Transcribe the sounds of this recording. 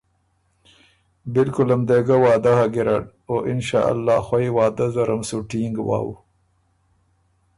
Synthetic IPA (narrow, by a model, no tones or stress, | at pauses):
bɪlkʊlamd̪eɡawɑːd̪ahaɡɪɾaʈ | oʔɪnʃɑ̰ːʔa̰lːɑːxwaiwɑːd̪azaɾamsuʈiŋɡwɑ̰ːwṵ